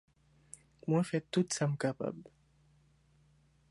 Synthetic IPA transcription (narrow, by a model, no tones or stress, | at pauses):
mwɛ̃fɛt̪ːut̪samkapa̰bl